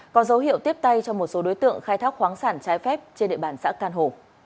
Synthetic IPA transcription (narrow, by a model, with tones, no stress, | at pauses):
kɔ˨˦zə˨˦wɦḭ˧˨əwt̪i˦˥əp̚t̪a˧jt͡ɕɔ˧ŋ͡mmo˨˩t̚so˨˦ɗo˨˦jt̪ɨ̰˧˨əŋxaː˧jt̪ʰaː˦˥k̚xwaː˨˦ŋsaː˧˩nt͡ɕaː˨˦jfɛ˦˥p̚t͡ɕe˧nɗḛ˧˨ɓaː˧˩nsa̰ː˧˥kaː˧nɦo˧˩